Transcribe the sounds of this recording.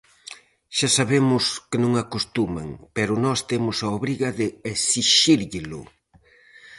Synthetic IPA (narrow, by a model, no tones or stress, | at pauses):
ʃasaβemʊskɪnõŋakost̪umɐ̰ŋpɛɾʊnɔst̪emʊsɐoβɾiɣɐðɪesiʃiɾʎɪlʊ̰